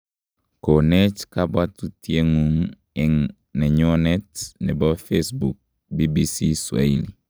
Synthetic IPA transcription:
ko˨nɛ˦t͡ʃka˦bwa˦tu˦ti˦e˦ŋũ˦ŋ | ɛ˦ŋ | nɛ˨ɲɔ˦nɛ˦tnɛ˨bɔ˦fe˦sbu˨k̚ | bi˦bi˦si˦swa̰˨i˨li˨

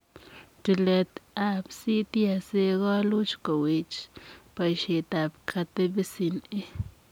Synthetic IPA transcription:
te˧le˧t̪a˦bsi˦t̪ja˧se˧ɡo˦lu˦t͡ʃko˨wi˨t͡ʃpa˨jʃi˨t̪a˨pkʰa˧t̪e˦be˦si˧ne˦

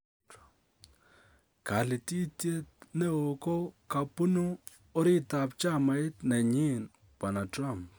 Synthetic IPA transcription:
ka˨lɪ˨ti˦tje˦t̚nɛ˦o˨ko˦ka˨pu˦nu˦ | ɔ˦ɾɪ˦ta˨p̚t͡ʃa˦ma˨ɪ˦tnɛ˨ɲɪ˦˨n | b̥a˨na˨tɾa˦˨mp

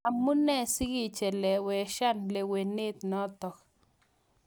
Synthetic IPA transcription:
a˨mu˦nɛ˦˨si˦ɡi˦t͡ʃɛ˨lɛ˨wɛ˨ʃa˦˨nle˨we˨ne˦t̪nɔ˦t̪ɔ˨k

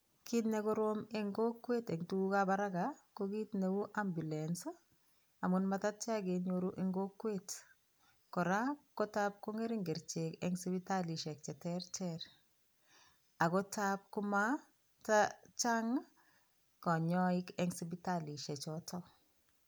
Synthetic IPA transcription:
ki˦tne˨kɔ˦ɾo˦me˦ŋɡo˦kwe˦tɛ˨ŋtu˦kabaɾa˦ɡakoki˦tne˨u˦ʔa˦mbu˨lɛns | a˨munma˨ta˦t̚t͡ʃa˦ɡe˨ɲoɾu˦ʔe˦ŋɡo˦kwet | kɔ˨ɾa˦ko˦tap̚ko˦ŋe˦ɾɪ˦ŋɡe˨ɾt͡ʃe˨kɛŋsi˦bi˦ta˦li˨ʃɛ˨k̚t͡ʃɛ˨tɛɾt͡ʃɛɾ | a˨kɔ˦tap̚kʊ˦ma˦ | tat͡ʃa˦ŋ | kɔ˨ɲɔ˦ɪ˦kɛ˨ŋsi˦bi˦tali˨ʃɛ˨t͡ʃɔtɔ˦

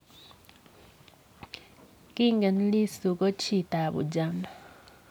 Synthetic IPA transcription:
kiːŋɡe˨ni˦li˦su˨ko˦t͡ʃita˨βṵ˨d͡ʒama

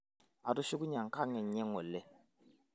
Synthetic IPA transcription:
a˨to˦si˦ɡu˦ɲã˨ŋ˨ka˦ŋɛ˨ɲɛ̃˦ŋɔ˨le˦

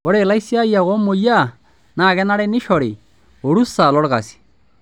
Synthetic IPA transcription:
ɔ˦ɾe˨la˦i˦si˦a˦ja˨ɣɔ˦mːo˨ja˦˨ | na˦˨ɡɛ˦na˦ɾɛ˦nɪ˦ʃɔ˨ɾi˨ | o˨ɾu˦sa˨lɔ˦ɽɣa˨si̥

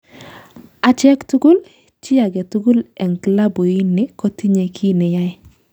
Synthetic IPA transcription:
a˨t͡ʃɛ˦ktu˦ɡu˦l | t͡ʃɪ˦a˨ɡɛ˨tu˦ɡu˦lɛ˨ŋkla˦bo˨i˦nːɪ˦kɔ˦ti˦ɲe˨kʰi˦nɛ˨ja˦ɪ˦

